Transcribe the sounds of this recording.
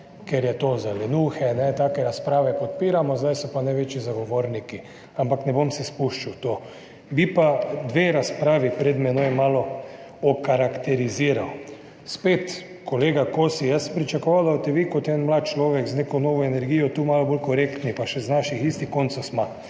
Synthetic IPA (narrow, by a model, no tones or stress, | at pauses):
keɾjɛt̪ozalɛnuxɛnɛt̪aːkɛɾaspɾaːʋɛpɔt̪̚piːɾamɔzd̪ajsɔpanajʋeːt͡ʃizaɡoʋoːɾniki | ampaknɛbomsispuʃt͡ʃawt̪oː | bipad̪ʋeːɾaspɾaːʋipɾɛd̪mɛnojɛmaːlɔ | ɔkaɾakt̪ɛɾiziːɾaw | speːt̪ | koleːɡakosijasəmpɾit͡ʃakɔʋaːlaot̪ɛʋikot̪jɛnmlaːt̪̚t͡ʃloːʋɛkznekonoːʋɔenɛɾɡiːjɔt̪uːmaːlɔbolkɔɾekt̪nipaʃɛznaʃixist̪ixkont̪sosma